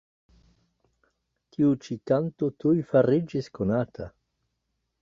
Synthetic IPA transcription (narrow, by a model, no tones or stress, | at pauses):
kiut͡ʃikant̪ot̪ujfaɾid͡ʒiskonat̪ʰa̰